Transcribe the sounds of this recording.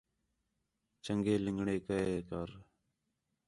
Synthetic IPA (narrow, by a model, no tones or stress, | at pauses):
t͡ʃəŋɡeːlɪŋɡɳeːkəeːkəːɾ